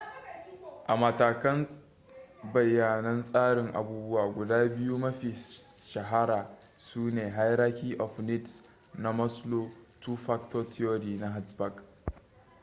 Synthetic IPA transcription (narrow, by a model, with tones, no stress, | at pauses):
ʔa˨mɐ˨taː˨kɐ˦n | bɐ˨jːaː˨nɐ˦nsʼaː˦ɽɪ˨ŋʔa̰˨buː˦bʊ˦waː˨ɡʷʊ˨daː˦bɪ˦ju˦mɐ˦ɸiː˨ʃɐ˨ɦa˦ɾaː˨ | suː˦neː˨ɦa˦jɾa˦kʲiː˦ʔɔ˨ɸni˦ts | na˦mɐ˦sloː˦tu˦ɸa˦kto˦tʰi˦o˦ɾiː˨na˦ɦa˦tba˨k